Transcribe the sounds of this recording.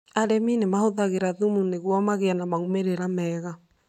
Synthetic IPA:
aɾɛminemahoðaɣeɾaðumuneɣwɔmaɣeanamaɣumeɾeɾamɛːɣa

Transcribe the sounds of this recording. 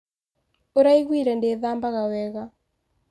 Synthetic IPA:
oɾaiɣwiɾɛndeðambaɣawɛɣa

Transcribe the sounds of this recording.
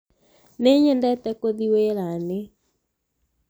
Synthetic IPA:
neɲɛndɛtɛkoðiweɾane

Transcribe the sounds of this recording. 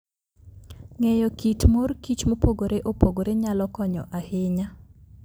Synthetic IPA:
ŋejɔkitmorkit͡ʃmopoɡoɾeʔopoɡoɾeɲalɔkɔɲɔ̰ʔahɪɲa

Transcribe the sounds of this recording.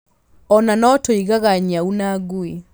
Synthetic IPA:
ɔnanɔtoiɣaɣaɲaunaɡue

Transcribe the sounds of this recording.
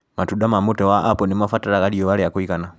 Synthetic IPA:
matuɗamamɔtɔwaʔapɔnimafataɾaɡaliɔwalɛjakuikana

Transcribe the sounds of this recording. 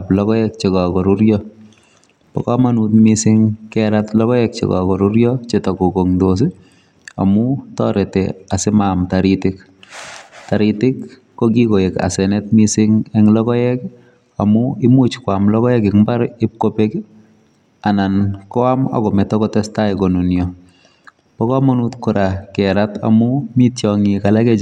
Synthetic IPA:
aplɔkɔjɛk̚t͡ʃekakɔɾuɾjɔ | pɔ̰kamanutmisɪŋkɛɾatlɔkɔjɛk̚t͡ʃḛkɔ̰kɔɾuɾjɔt͡ʃetɔkokoŋdos̬ɪ | a̰mutɔɾɛtɛ̰asɪmamtaɾitɪk | taɾitɪkː | okikojeka̰sɛnɛtmisɪŋɛŋlɔkɔjɛk | a̰mʊɪmut͡ʃkwamlɔkɔjɛkɪkmbaɾɪp̚kopek | anankɔama̰kɔmɛtɔkɔtɛstaɪkonunjɔ | pɔkɔmonutkɔɾʔakɛɾata̰mumitjɔŋikalakɛ

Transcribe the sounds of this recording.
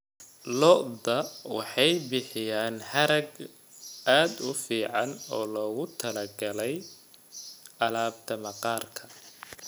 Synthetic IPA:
lɔʔd̪ɐwɑħɑjbɪħɪjaːnhɐɾɐɡ | aːd̪ʊfiːʕɑnɔːlɔːɣʊt̪ʰɐlɐɡɐlɛj | ʔɐlaːbt̪ʰɐmɐqɑːrkʰɐ

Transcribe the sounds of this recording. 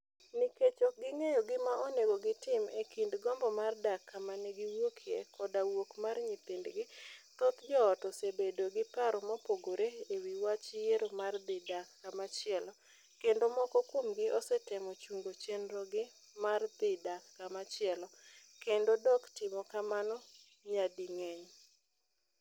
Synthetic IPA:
niket͡ʃoɡɪŋejɔɡɪmaʔɔneɡoɡɪtɪmekindɡɔmbɔmardakʰːamaneɡɪwokʰjekʰɔdawokmarɲit̪indɡɪt̪ɔt̪d͡ʒɔːtɔsebedoɡɪpaɾɔmɔpoɡoɾeːwiwat͡ʃjeɾomard̪ɪdakːamat͡ʃɪɛlɔ | kendomɔkɔkwomɡɪʔɔsɛtɪmɔt͡ʃuŋɡot͡ʃenɾɔɡɪ | mard̪ɪdakːamat͡ʃɪɛlɔkendodɔktɪmɔkamanɔ | ɲadiŋɛɲ

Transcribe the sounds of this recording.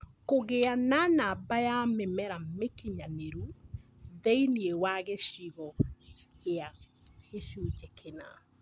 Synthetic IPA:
koɣeananabajamemɛɾamekeɲaneɾu | ðɛiniewaɣeʃiɣɔ | ɣea | eʃot͡ʃekʰena

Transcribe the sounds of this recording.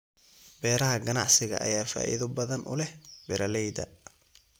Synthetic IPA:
bɛːɾɐɦɐɡɐnɑ̰ʕsɪɣɐ̰ʔɐ̰jaːfa̰ːʔḭðʊbɐðɐnʔʊ̰lɛhbɛɾɐlɛjd̪ɐ̰

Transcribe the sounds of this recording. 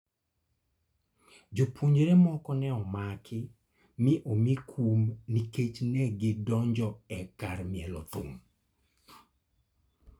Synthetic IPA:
d͡ʒopoɲɾemɔkɔnɛɔmakʰɪ | mɪʔomikʰumniket͡ʃnɛɡɪdɔɲd͡ʒɔɛkarmɪɛlɔ̰t̪ʊ̰m

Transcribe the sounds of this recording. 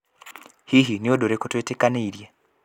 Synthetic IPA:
hiɦiniodoɾekotwetekaneiɾje

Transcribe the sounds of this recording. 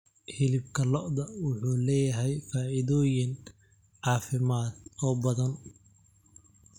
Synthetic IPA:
hɪlɪb̚kʰɐlɔʔd̪ɐwʊħuːlɛːjɐɦɛjfaːʔɪðɔːjɪn | ʕɑːfɪmaːd̪ɔːbɐðɐn

